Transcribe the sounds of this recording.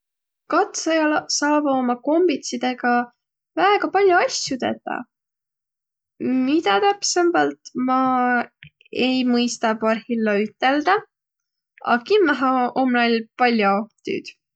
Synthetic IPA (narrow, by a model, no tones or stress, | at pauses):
kɑt̪sɑjɑlɑsɑːb̥omɑko̞mb̥it̪sid̪̥e̞ɡ̥ɑ | væeɡɑpɑlʲjuɑsjut̪ḛt̪ːɑ̰ | mit̪ɑt̪æpsembɑlt̪mɑ | e̞jmɤjst̪ɑpɑrhilːɑyt̪ːˑe̞ld̪̥ɑ | ɑ̰kimːæɦɑomlɑlpɑlʲːjot̪y̰ːd̪̥